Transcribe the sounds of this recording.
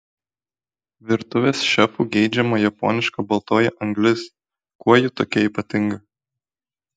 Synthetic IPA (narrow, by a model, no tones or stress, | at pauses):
ʋʲɪɾt̪ʊʋʲeːsʃʲɛpuːɡʲɛɪd͡ʒʲɛmoːjɛpo̰ːnʲɪʃkɐbɐlˠt̪oːjɛʔɐŋɡlʲɪs | kuɔjɪt̪oːkʲɛiːpɐt̪ʲɪŋɡɐ